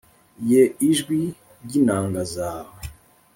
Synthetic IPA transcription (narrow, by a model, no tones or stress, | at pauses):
jeiʒɡwi | ɾɟinaːŋɡazaːwe